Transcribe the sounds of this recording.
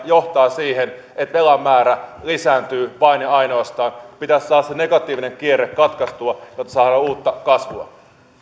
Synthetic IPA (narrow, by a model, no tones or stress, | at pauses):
joht̪ɑːsiːɦen | et̪ʋe̞lɑmːæːɾælisæːnt̪yːʋɑinjɑino̞ɑst̪ɑːnpit̪æssɑːɾɑsene̞ɡɑt̪ːˑiːʋine̞ŋk̟ierekkɑt̪kɑst̪uɑjot̪ːɑ̥sɑːɾɑuːt̪ːɑkɑsʋuɑ̰